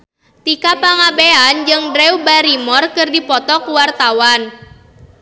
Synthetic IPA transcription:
t̪ikapaŋabeand͡ʒɨŋdɾɛubaɾimɔrkɨrdipɔt̪ɔkuwart̪awan

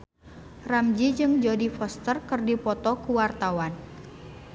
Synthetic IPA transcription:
ramd͡ʒid͡ʒɨŋd͡ʒodifɔst̪ərkərdipɔt̪ɔkuwart̪awan

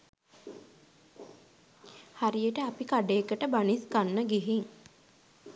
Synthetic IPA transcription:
haɾijəʈəapikaɖeːkəʈəbaniskanːəɡiɦiŋ

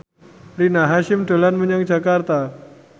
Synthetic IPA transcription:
rinaɦaʃɪmɖo̤lanməɲaŋd͡ʒa̤kart̪a

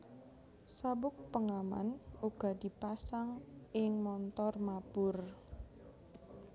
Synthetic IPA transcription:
sabʊk̚pəŋama̰nuɡ̥a̤d̥i̤pasaŋɪŋmɔnt̪ɔrmab̥ʊr

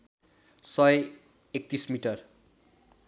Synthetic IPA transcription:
sʌj | ek̚t̪ismiʈʌr

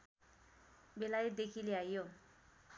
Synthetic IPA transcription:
belajd̪ekʰileajjo

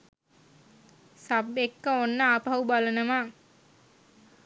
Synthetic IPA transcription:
sabekːəonːəaːpaubalənəma

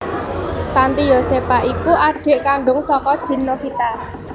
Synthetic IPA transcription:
t̪ant̪ijosepaʔikuʔaɖ̥e̤ʔkaɳɖʊŋsɔkɔd̥i̤nːofit̪a

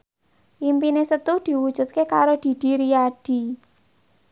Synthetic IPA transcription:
ʔimpinesət̪ud̪̥i̤wud̥ʒ̥ṳt̪̚kekaɾod̪̥i̤d̪̥i̤ɾijaɖ̥i̤

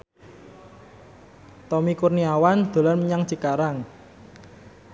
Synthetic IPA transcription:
t̪ɔmikurniawand̪̥o̤lanməɲaŋt͡ʃikaɾaŋ

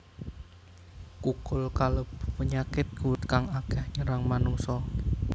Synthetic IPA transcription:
kukʊlkalob̥ə̥pəɲakɪt̪̚ɡ̥uwt̪kaŋaɡ̥ɛhɲəɾaŋmanuŋsɔ

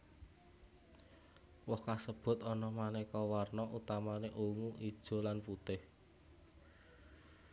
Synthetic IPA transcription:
wɔhkasəb̥ʊ̤t̪ɔnɔmanɛkɔwarnɔʔut̪amaneʔuŋuʔid̥ʒ̥o̤lanput̪ɪh

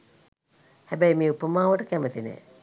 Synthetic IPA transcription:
hæbæjmeːupəmaːʋəʈəkæmət̪inḛ

